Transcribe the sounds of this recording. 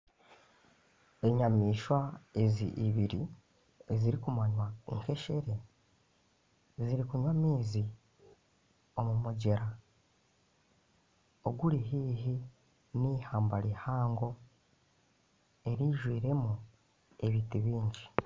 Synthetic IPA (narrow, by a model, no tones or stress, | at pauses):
e̞ɲamiːʃwaezḭʔiβiɾi | ziɾikumaɲwaḭŋke̞ʃe̞ɾe̞ | ziɾikuɲwamiːzi | o̞mumoɟeɾa | oɡuɾiɦiːɦi | nihaːmbaɾihaːŋɡo̞ | e̞ɾiːʒwiːɾe̞mu | e̞βiːtiβiːɲɟi